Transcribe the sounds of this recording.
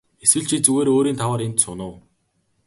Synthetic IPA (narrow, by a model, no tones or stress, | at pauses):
eswɘ̆ɮt͡ɕʰiːt͡suɣeːɾoːɾiːnt̪ʰawaːɾent̪sʊnʊː